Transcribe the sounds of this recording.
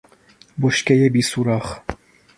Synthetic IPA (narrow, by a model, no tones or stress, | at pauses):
boʃkʲɛjɛbisuɾɑːχ